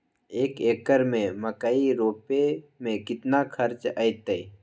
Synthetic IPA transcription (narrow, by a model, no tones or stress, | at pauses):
eːkeːkəɾmẽməkaiɾoːpemẽkɪt̪nakʰəɾt͡ʃə̰ɪt̪əi